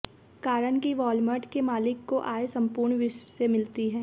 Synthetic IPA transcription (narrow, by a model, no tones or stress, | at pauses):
kaːɾənkiʋɔːlməʈkemaːlɪkːoʔaːesɐ̃mpʊːɾɳʋɪʃwəsemɪlt̪iɦɛː